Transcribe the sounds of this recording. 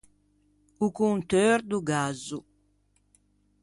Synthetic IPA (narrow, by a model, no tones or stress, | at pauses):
ukunt̪øɾd̪uɡazu